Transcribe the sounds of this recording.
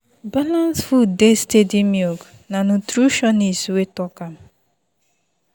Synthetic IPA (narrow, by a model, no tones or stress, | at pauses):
balansfudestedimjoɡnanutɾuʃɔniswetɔkam̩